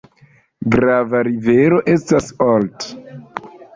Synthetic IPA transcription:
ɡɾavaɾive̞ɾo̞ʔe̞stasolt

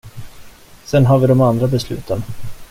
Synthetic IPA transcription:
sɛnɦaːɾvɪd̪ɔmand̪ɾabɛslʉ̟̰ːt̪ʰən

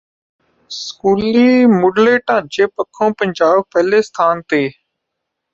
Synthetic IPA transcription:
skuːliːmoːɖleːʈãːt͡ʃeːpəkʰːõːpəɲd͡ʒaːbpɛɦleːst̪ʰaːnt̪eː

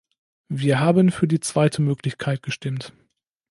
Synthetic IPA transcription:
viːɐɦaːbənfyːɐdiːt͡sv̥aɪtʰəmøːklɪçkʰaɪt̚ɡ̥əʃtɪmt

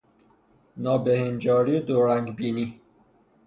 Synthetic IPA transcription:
nɑːbehend͡ʒɔːɾid̪oɾæŋɡbiːni

